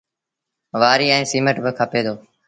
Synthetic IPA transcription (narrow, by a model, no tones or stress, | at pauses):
ʋaːɾiːɛ̃ːsiːməʈbəkʰəpeːd̪oː